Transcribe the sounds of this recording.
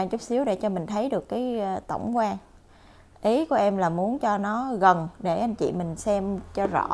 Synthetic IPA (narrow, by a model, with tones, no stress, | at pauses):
aː˧ŋt͡ɕʊ˦˥k͡p̚si˨˦əwɗḛ˧˩t͡ɕɔ˧mï˨˩ŋ̟t̪ʰə˨˦jɗɨ˨˩əkːaː˨˦jt̪ə̰˧˩wŋ͡mkwaː˧ŋ | ʔi˨˦ku˧˩ʔɛ˧mlaː˨˩mu˨˦ənt͡ɕɔ˧nɔ˨˦ɣə˨˩nɗe˧˩ʔa˧jŋ̟t͡ɕḭ˧˨mï˨˩ŋ̟sɛ˧mt͡ɕɔ˧zɔ̰˧˩˥